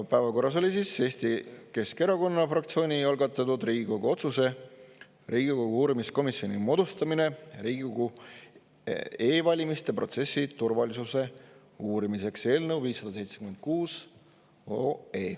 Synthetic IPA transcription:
pæːvɑko̞rːɑs̬o̞lʲisise̞ːst̪ike̞ske̞ɾɑko̞nːɑfrɑkt̪sio̞ːnʲiɑlɡɑt̪ːˑɑt̪ud̪riːɡ̥iko̞ɡuo̞t̪suse̞ | rʔiːɡ̥iko̞ɡ̥uuːɾimisko̞misio̞nimo̞d̪̥ust̪ɑmine̞ɾiːɡikoɡ̥u | e̞ːvɑlʲimist̪e̞pro̞̰t̪se̞sːit̪urvɑlisuse̞ | uːɾimise̞kse̞ːlnewviːsːɑd̪̥ɑse̞jt̪sekyme̞nd̪̚kuːs | oeː

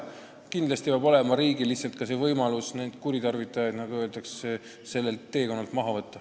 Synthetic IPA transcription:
kind̪lɑst̪ipjɑbo̞le̞mɑɾiːɡ̥iliçsːɑlt̪̚kɑs̬e̞vɤjmɑlusne̞nd̪̥kuɾit̪ɑrvit̪ːˑɑjɑjd̪̥nɑɡ̥uø̞ːld̪ɑksse | se̞lːe̞lt̪ːe̞ːko̞nːɑlt̪mɑɦɑvɤt̪ːɑ

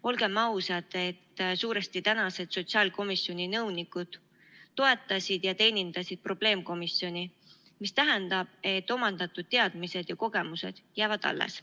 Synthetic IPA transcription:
o̞lɡ̥e̞mːɑusɑd̪̥e̞t̪ːsuːɾest̪it̪ænɑse̞d̪̥so̞t̪siɑːlko̞misːjo̞nʲinɤwnikud̪̥ː | o̞e̞t̪ːˑɑsʲid̪̥jɑt̪e̞ːnʲind̪̥ɑsid̪̥̚pro̞b̥le̞ːmko̞misjo̞nʲi | mist̪æɦɛnd̪̥ɑb̥e̞t̪ːˑo̞mɑnd̪ɑt̪ːˑud̪̥̚t̪eɑd̪̥mise̞d̪̥jɑko̞ɡ̥e̞muse̞̰d̪̥jæːvɑd̪ɑ̰lːḛs

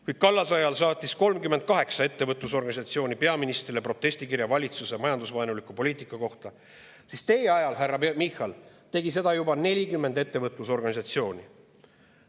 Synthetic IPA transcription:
kuj̥̪̚kɑlːɑsɑjɑlsɑːt̪ʲːˑisko̞lmkymːe̞nt̪̚kɑɦe̞ksɑe̞t̪ːevɤt̪ˑuso̞rɡ̥ɑnʲis̬ɑt̪sio̞ːnʲipe̞ɑminist̪rilepro̞t̪ːˑe̞sʲt̪ikirjɑvɑlʲit̪susemɑjɑnd̪usvɑenulikˑupo̞liːt̪ˑikˑːɑko̞ht̪ɑ | sist̪e̞jeɑjɑlɦærːɑmixɑl | t̪e̞ɡis̬e̞d̪̥ɑjubɑne̞lʲikymːe̞nd̪e̞t̪ːe̞vɤt̪ˑluso̞rɡ̥ɑnʲisɑt̪sio̞ːnʲi

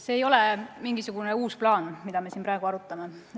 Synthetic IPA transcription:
se̞ːjo̞lemiŋɡisuɡ̥une̞uːsplɑːnmid̪̥ɑme̞sinpɾɑˑe̞ɡ̥uɑɾut̪ːˑɑme̞

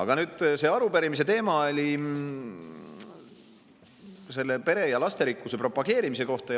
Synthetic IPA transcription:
ɑ̰ɡ̥ɑnyːd̪̥se̞ːɑɾupeɾimis̬e̞t̪e̞ːmɑolʲi | se̞lːepe̞ɾe̞jɑlɑst̪e̞ɾikːuse̞pro̞pːˑɑɡ̥e̞ːɾimise̞ko̞ht̪ɑ

